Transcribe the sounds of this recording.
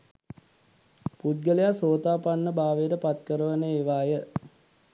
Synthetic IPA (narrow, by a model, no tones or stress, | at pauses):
put̪̚ɡəlejasoːt̪aːpanːəbaːʋejəʈəpat̪kəɾəʋənəeʋaːjə